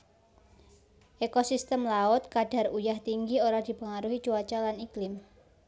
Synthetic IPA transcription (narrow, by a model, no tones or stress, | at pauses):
ʔekosist̪əmlaʊt̪̚kaɖ̥a̤rujaht̪iŋɡioɾad̪̥i̤pəŋaɾuɦit͡ʃuat͡ʃalaniklɪm